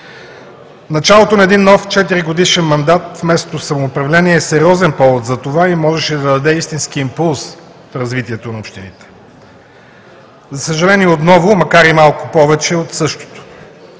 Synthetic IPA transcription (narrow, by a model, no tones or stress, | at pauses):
nɐt͡ʃalˠot̪onɐɛd̪inːɔft͡ʃɛt̪iɾiɡod̪iʃɛnmɐnd̪at̪fmɛst̪ot̪ofsɐmoːpɾɐvlɛniɛːsɛɾiɔzɛnpɔvot̪zɐt̪ovaimɔʒɛʃɛd̪ɐd̪ɐd̪ɛist̪inskiːmpulˠs | fɾɐzvit̪iɛt̪onɐopʃt̪init̪ɛ̥ | zɐsəʒɐlɛniɛot̪nɔvʊmɐkaɾimalˠkʊpɔvɛt͡ʃɛot̪sɤʃt̪o̥t̪o̥